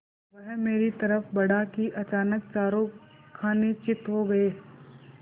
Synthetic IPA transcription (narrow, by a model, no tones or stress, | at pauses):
ʋɐɦmeːɾit̪ɐɾəfbɐɽakiʔɐt͡ʃaːnək̚t͡ʃaːɾokʰaːnet͡ʃɪt̪ɦoɡɐeː